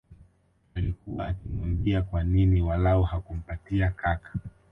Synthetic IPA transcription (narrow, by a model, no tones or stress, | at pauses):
alikuwa̰akimambiakwaniniwalaɔhakum̩patiakakḁ